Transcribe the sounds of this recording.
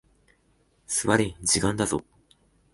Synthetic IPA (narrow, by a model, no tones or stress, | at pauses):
sɨβaɾed͡ʑikãnd̪azo̰